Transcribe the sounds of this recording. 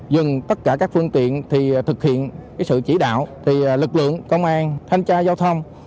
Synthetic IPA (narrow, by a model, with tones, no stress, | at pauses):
zɨ˨˩ŋt̪ə˦˥t̚kaː˧˩kaː˦˥k̚fɨ˧əŋt̪ḭ˧˨ənt̪ʰi˨˩t̪ʰɨ˨˩k̚hḭ˧˨ənkaː˨˦jsɨ̰˧˨t͡ɕḭ˧˩ɗa̰ː˧˨wt̪ʰi˨˩lɨ˨˩k̚lɨ̰˧˨əŋkə˧wŋ͡mʔaː˧nt̪ʰa˧jŋ̟t͡ɕaː˧zaː˧wt̪ʰə˧wŋ͡m